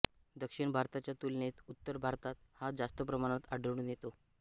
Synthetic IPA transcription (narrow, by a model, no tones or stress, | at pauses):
d̪əkʂiɳbʱaɾt̪at͡ɕjat̪ulnet̪ut̪ːəɾbʱaɾt̪at̪had͡zast̪əpɾəmaɽ̃at̪aɖəʋɳ̃unjet̪o